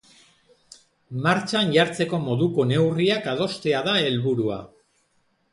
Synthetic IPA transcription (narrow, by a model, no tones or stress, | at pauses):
maɾt͡ʃanʝaɾt͡se̞ko̞mo̞ðuko̞ne̞wriakað̞o̞st̪e̞aðae̞lβuɾua̰